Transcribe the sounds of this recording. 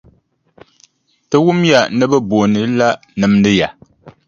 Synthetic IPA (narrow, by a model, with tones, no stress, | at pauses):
tɨ˦wu˦mja˨nɨ˦bɨ˦bo˨nɨ˨˦la˦ | nɨ˨mdɨ˦ja˨